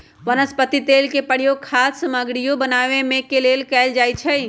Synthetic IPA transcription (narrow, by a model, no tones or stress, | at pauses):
ʋənəspət̪it̪eːlkepəɽjoɡkʰaːssəməɡɽijobənaːʋemẽkeleːlkɛːld͡ʒaːjt͡ʃʰɛi